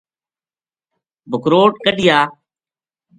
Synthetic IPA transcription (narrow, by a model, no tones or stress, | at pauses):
bʱʊkɾoːʈ̚kəɗɪjaː